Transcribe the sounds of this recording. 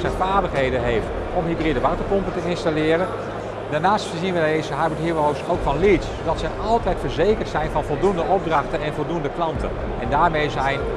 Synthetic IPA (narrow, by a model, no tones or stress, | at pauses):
sɛfaːɹbəχɦejdəɦejft | ɔmɦibridəʋɑrtəpɔmpətəɪnstalɪːɾən | daɹnaːstfəzinʋədezəɦabəthirowsowkfɑnlitssowdɑtsɛjʔɑlˠtɛjtfəɹzejkəɹtsɛjnvɑnvɔlˠdundəʔɔb̚drɑχtənɛnvɔlˠdundəklɑntə̰n | ɛndaːɹmejzɛjn